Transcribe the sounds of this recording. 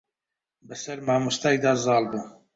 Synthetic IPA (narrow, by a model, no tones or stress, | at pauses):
bɨsɐɾmaːmust̪aːjd̪ɑːzɑːlbɨ